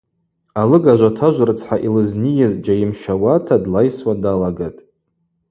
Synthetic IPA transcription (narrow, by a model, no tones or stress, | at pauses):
alɨɡaʒʷatʰaʒʷarɨt͡sʰħaʔilɨznijazd͡ʒajɪmʃawatʰadlajswadalaɡatʼ